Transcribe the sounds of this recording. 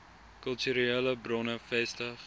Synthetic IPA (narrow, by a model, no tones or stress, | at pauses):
kœlˠtyɾieːləbrɔnəfɛstəχ